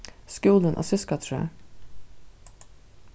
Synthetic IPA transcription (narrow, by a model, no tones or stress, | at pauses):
skuːlənʔo̰ːsʏskɑt̪ʰɾø̰